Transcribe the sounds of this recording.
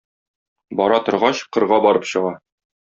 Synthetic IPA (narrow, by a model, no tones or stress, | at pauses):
bɒɾɑt̪ŏɾʁɑɕqɤ̆ɾʁɑbɒɾɤpɕɤ̆ʁɑ